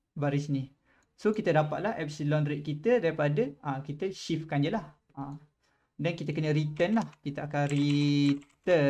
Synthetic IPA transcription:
baɾisini | sokit̪ədapat̪̚laɦɛp̚silɔnɾiʔ̪̚kit̪ədaɾipadəakit̪əʃifkand͡ʒəlah | a | dankit̪əkənə̃ɾit̪ənlahkit̪əakanrit̪ə

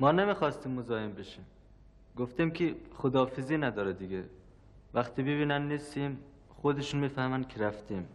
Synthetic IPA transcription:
mɒːnemixɒːst̪iːmːozɒːembeʃiːm | ɡoft̪imcʰiχod̪ɒːfiziːnæd̪ɒːɾɛd̪iɡe | væxt̪ʰiːbeβiːnænnist̪im | χod̪eʃunmiːfæhmænd̪̚kʰeɾæft̪ʰim

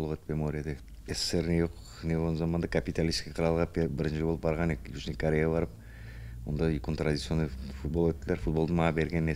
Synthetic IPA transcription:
lˠʁɑt̪mʲemoɾʲijad̪e | eseɾnejoq | newolzɑmɑnd̪ɑkʰapʲit̪alʲisskʲiqʰɾɑlˠʁɑpbɪɾɪnʃɪjboəpbɑɾʁɑnejuznikʰoɾʲejabɑɾəp̚ | wo̞̰nd̪ɑkont̪ɾad̪ʲit̪sio̞nːɑjfut̪̚bolˠwɵt̪ːɪlʲeɾfut̪̚bo̞lˠd̪əmɑʁɑbe̞ɾɡʲenːe

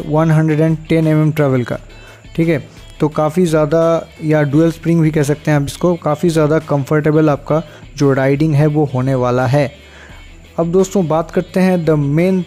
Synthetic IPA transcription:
ʋɐnɦɐ̃ɳɖɾeɖɛ̃ɳɖʈɛ̃nɛmɛmʈɾɛːʋəlka̰ː | ʈʰiːkɦɛ | t̪oːkaːfizjaːd̪ajaɖuːelspɾɪ̃ŋɡbʱikɛɦs̬ɐk̚t̪ẽɦɛ̃aːpɪskokaːfizjaːd̪akɐ̃mfəɾʈ̬eːbəlaːp̚ka | d͡ʒoːɾaːɪɖɪ̃ŋɡɦɛʋoɦoːneʋaːlaɦɛː | ɐb̚d̪oːst̪õbaːt̪kɐɾt̪eɦɛ̃d̪ɐmeːn

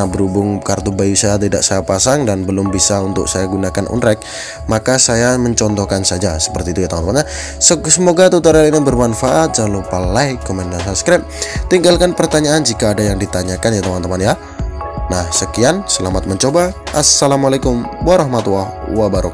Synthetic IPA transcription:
abəɾubʊŋkart̪ubajusajat̪ida̰ʔsajapasaŋdanbəlʊmbisaunt̪ʊ̰k̚sajaɡunakanʔṵnɾɛk̚ | makasajaməɲt͡ʃɔnt̪ɔkansad͡ʒasə̥pərt̪iːt̪ujat̪amant̪əmanɲa | ssəmoɡat̪ut̪aɾalinabərmanfaʔat̪̚d͡ʒalopalajkɔmɛndasaskɾɛp̚ | t̪iŋɡalkanpərt̪aɲaːnd͡ʒikaːdajaŋdit̪aɲakanjat̪əmant̪əmanja | nahsəkiansəlamat̪̚məɲt͡ʃobaʔasːalamalakʊmwaɾahmat̪wawabaɾuk̚

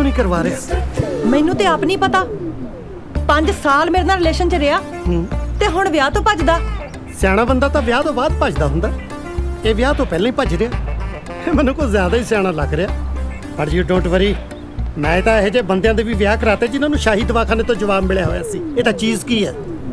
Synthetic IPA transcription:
õːnĩːkəɾʋaːɾeːmɛ̃ːnũːt̪eːaːpnĩːpət̪aː | pəɲd͡ʒsaːlmeːɾnaːɾɪleːʃənt͡ʃəɾeːaː | ɦːt̪eːɦʊɳʋjaːt̪õːpət͡ʃd̪aː | sjaːɽ̃ãːbənd̪aːt̪ãːʋɪjaːt̪õːbaːd̪̚pəd͡ʒd̪aːɦʊ̃nd̪aː | eːʋɪjaːt̪õːpɛːlãːiːpəd͡ʒɾɪjaː | eːmɛːnːũːkoːzjaːd̪aːiːsjaːɽ̃ãːləɡɾejaː | pəʈjuːɖõːʈʋəɾiː | mɛ̃ːt̪ãːɦeːd͡ʒeːbənd̪jãːd̪eːʋiːʋjaːkəɾaːt̪eːd͡ʒɪnãːnũːʃaːɦiːd̪ʋaːkʰaːneːt̪õːd͡ʒəʋaːbmɪɭjaːɦo̰ːja̰ːsiːeːt̪ãːt͡ʃiːzkiːɛː

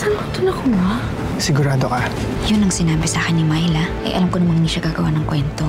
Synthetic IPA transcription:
sanʊt̪ʊnɐkʊma | sɪɡʊɾaːd̪oka | jʊnɐŋsɪnaːbɪsaːkɪnːɪmajlɐʔɐ̰jʔɐ̰lamkonɐmɐŋɪniːʃɐɡaːɡɐwaːnɐŋkwɛnt̪o̞

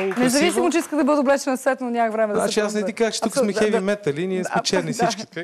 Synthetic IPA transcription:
nɛzɐvisimot͡ʃɛiskəɡd̪ɐbɤd̪ʊblɛt͡ʃɛnɐsvɛt̪nonʲakəxvɾɛmɛd̪za̰t͡ʃiasnɐid̪ikakt͡ʃɛ̥t̪uk̪ssmɛɛvimɛt̪ɐliniɛspɛt͡ʃɛɾnifsit͡ʃki̥

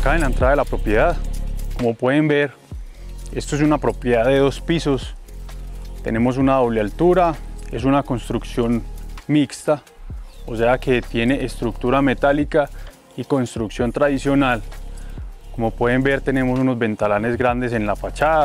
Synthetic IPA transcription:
akaenlaent̪ɾaðaðelapɾo̞pje̞ðaðko̞mo̞pwe̞ðe̞mbe̞ɾ | e̞st̪oe̞s̬unapɾo̞pje̞ðaðe̞ðo̞spiso̞s | t̪e̞̰ne̞mos̬unaðo̞βlealt̪uɾae̞s̬unako̞nst̪ɾuksjo̞nmikst̪aose̞ake̞t̪je̞ne̞ʔest̪ɾuk̚t̪uɾame̞t̪alika | iko̞nst̪ɾuksjo̞nt̪ɾaðisjo̞nal | ko̞mo̞pweðe̞mbe̞ɾt̪e̞ne̞mo̞suno̞zbe̞nt̪alane̞zɡɾand̪e̞s̬e̞nlafat͡ʃaða

